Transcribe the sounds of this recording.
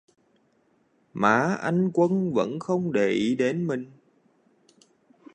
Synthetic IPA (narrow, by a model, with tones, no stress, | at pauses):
ma̰ː˧˨˩ʔa˧jŋ̟kwə˧nvə̰˧˥nxə˧wŋ͡mɗe˧˩ʔi˨˦ɗe˨˦nmï˨˩ŋ̟